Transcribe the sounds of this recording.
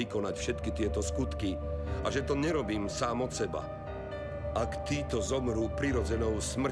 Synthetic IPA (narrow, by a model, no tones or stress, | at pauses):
ikɔnacfʃɛt̪kit̪ɪɛt̪ɔskut̪kiaʒɛt̪ɔɲɛɾɔbiːmsaːmɔt̪sɛba̰ | ʔakt̪iːt̪ɔzɔmɾuːpɾiɾɔd͡zɛnɔʊsmr̩